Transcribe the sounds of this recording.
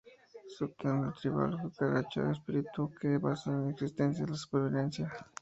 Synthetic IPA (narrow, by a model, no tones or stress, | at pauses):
sup̚t̪end̪ot̪ɾiβa̰lxokaɣat͡ʃa̰espiɾit̪ukebasaneneksist̪ensjaðelasu̥peɾβiðensja